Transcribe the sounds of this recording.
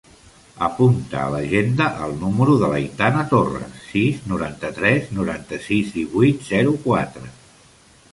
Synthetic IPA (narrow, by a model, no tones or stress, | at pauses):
əpunt̪ə̰ːləʒend̪əʔəlˠnuməɾuðələ̰jt̪anət̪orə̰siznuɾant̪ət̪ɾɛznuɾant̪əsizd̪iβujt̪z̥ɛɾukwat̪ɾə